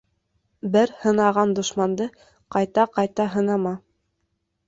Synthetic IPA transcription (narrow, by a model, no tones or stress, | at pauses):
bɘɾhɤ̆nɑʁɑnd̪ŏʃmɑnd̪ɤ | qɑjt̪ɑqɑjt̪ɑɦɤ̆nɑmɑ